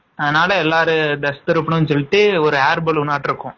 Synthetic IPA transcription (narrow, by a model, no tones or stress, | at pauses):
ɐðɐnaːlɐɛlːaːɾɯd̪ɐst̪ɐɾɯpːɐɳʊ̃nsɔlːɪʈ̪ːɯɔɾɯaːɾbɐlʊnːaːʈːɪɾɯkːʊ̃